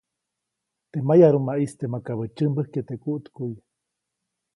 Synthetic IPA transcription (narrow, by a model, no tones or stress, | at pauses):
t̪emajaɾumaʔist̪emakaβət͡ʃɨmbəhket̪ekuʔt̪kuj